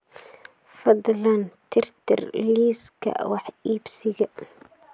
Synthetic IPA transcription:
fɑd̪ˤlɑnt̪ɪɾt̪ɪ̰ɾliːska̰waħiːbsiɡa

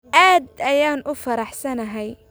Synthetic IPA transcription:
ʔaːd̪ʔajaːnʔʊfɑɾˤaħsanaɦaj

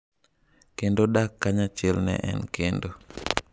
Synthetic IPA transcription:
kendodakːaɲat͡ʃɛlnɛ̰ʔɛ̰nkʰendo

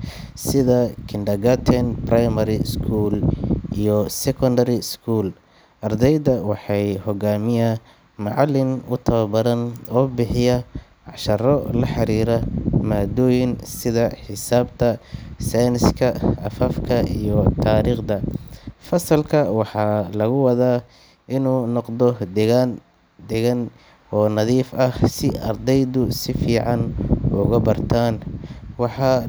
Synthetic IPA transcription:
sɪðɐkʰɪndɐɡɐt̪ʰɛnprajmɐɾɪskʰuːlijɔsɛkʰɔndɐɾɪskʰuːl | ʔɐrd̪ɛjðɐwɑħɑjhɔɡaːmɪjɐ | mɑʕɑlːɪnʊt̪ʰɐβɐbɐðɐnɔːbɪħɪjɐ | ʕɑʃɐɾɔlɐħɑɾiːɾɐmaːd̪ɔːjɪnsɪðɐħɪsaːbt̪ʰɐsajnɪskʰɐːfɐfkʰɐʔijɔt̪ʰaːɾiːχd̪ɐfɐsɐlkʰɐwɑħɑːlɐɣʊwɑðaː | ʔɪnuːnɔqd̪ɔd̪ | d̪ɛɣɐn | ɔːnɑðiːfɐhsɪɐ̰rd̪ɛjðʊsɪfiːʕɑnʊ̰ɣʊbɐrt̪ʰaːnwɑħɑː

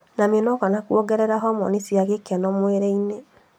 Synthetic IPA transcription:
namenɔɣanakuoɡɛɾɛɾaɦɔmɔ̰nisiaɣekanɔmweɾeine

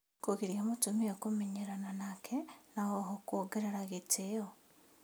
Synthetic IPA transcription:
koɣiɾjamutumiokumiɲeɾananakʰenaɣoɦokwoɡeɾeɾaɣitʰeo

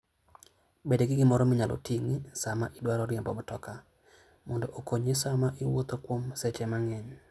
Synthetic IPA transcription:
bedeɡɪɡɪmɔɾɔmɪɲalʔɔ̰tʰiŋisamaʔɪdwaɾɔɾjembɔ̰mɔtɔka | mɔndoʔokoɲesamaʔɪwot̪okwomsɛt͡ʃɛmaŋɛɲ

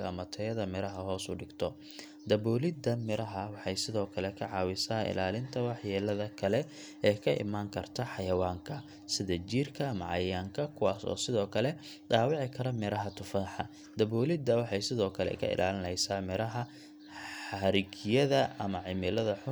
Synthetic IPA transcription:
ɐɐmɐt̪ʰɐjɐðɐmɪɾɐɦɐɦɔːsʊ̰ɖɪɡt̪ʰɔ | d̪ɐβɔːlɪd̪ɐmɪɾɐɦɐwɑħɑjsɪðɔːkʰɐlɛkʰɐʕɑːwɪsaːʔɪ̰laːlɪnt̪ʰɐwɑħjɛːlɐðɐkʰɐlɛ | ɛːkʰɐʔɪ̰maːŋkʰɐrt̪ʰɐħɑjɐwaːŋkʰɐ | sɪðɐt͡ʃirkʰɐːmɐʕɑ̰jaːŋkʰɐkʰʊwaːsɔ̰ːsɪðɔːkʰɐlɛ | ɖaːwɪʕɪkʰɐɾɐmɪɾɐɦɐt̪ʰʊfaːħɑ | d̪̥ɐβɔːlɪd̪ɐwɑħɑjsɪðɔːkʰɐlɛ̰kʰɐ̰ʔɪ̰lʔaːlɪnɛjsaːmɪɾɐɦɐ | ɐɾɪɡjɐðɐʔɐmɐʕɪmɪlɐðɐħʊ

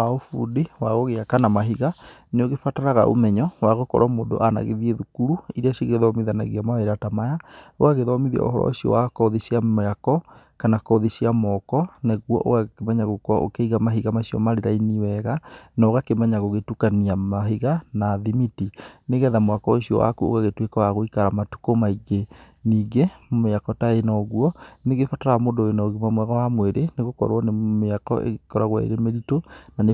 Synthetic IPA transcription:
aofṵːdiwaɣoɣeakanamaɦiɣaneoɣefataɾaɣa̰ʔo̰mɛɲɔwaɣokɔ̰ɾamoːndo̰ʔana̰ɣḛðieðukuɾuiɾeaɕiɣeðɔmiðana̰ɣiamaeɾatamajao̰aɣeðɔmiðia̰ɔ̰ɦɔɾɔ̰siɔ̰wakɔðisiaakɔ | kanakɔðisiamɔkɔneɣwɔ̰ʔo̰akemɛɲaɣokoaʔo̰keiɣamaɦiɣamasiɔ̰maɾeɾainiwɛɣanaoɣakemɛɲaɣoɣetukaniamaɦiɣanaðimitineɣɛðamwakɔesiɔ̰wa̰kuo̰ɣaɣetwekawaɣoikaɾamatu̥komaiɡe | niːɡemmeakɔtaenɔɣuɔneɣefataɾamodoenaɣimamwɛɣawamweɾeneɣokɔ̰ɾwɔnemeakɔ̰ʔḛɣkɔɾaɣwa̰ḛɾemeɾitonane

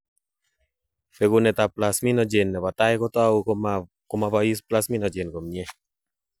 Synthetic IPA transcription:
feɡunet̪aplasminɔd͡ʒenːepat̪ajkɔt̪oau | komapaisplasminɔd͡ʒenkomɲe

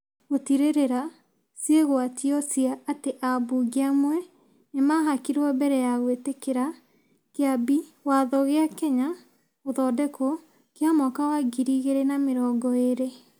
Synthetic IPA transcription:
ɣotiɾeɾeɾa | sjeɣoatiɔsiaːteʔabuɡiamwɛ | nemaɦakiɾɔbɛɾɛjaɣwetekeɾa | keabiwaðɔɣeakɛɲa | oðɔdɛkʰo | keamɔkawaɡiɾiɣeɾenameɾɔːɡɔeɾe

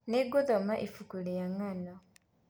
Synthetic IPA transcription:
neɡoðomaʔifukulijaŋana

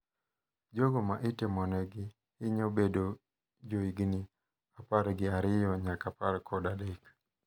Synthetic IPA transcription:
d͡ʒɔɡɔmaʔitɛmɔnɛɡi | hiɲɔbedɔ | d͡ʒɔiɡini | apaɾɡiaɾɪjɔɲakapaɾkɔdalik

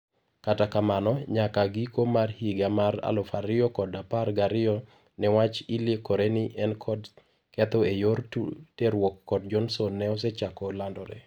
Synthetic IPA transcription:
katakamanɔɲakaɡikomarhiɡamaɾa̰lɔfaɾɪjɔkɔdaparɡaɾɪɔ | nɛwat͡ʃilekoɾenɪʔɛnkʰɔd | kɛt̪oejorteɾwɔkːɔd̚d͡ʒɔnsɔnːɛɔs̬ɛt͡ʃakɔlandɔɾɛ̰

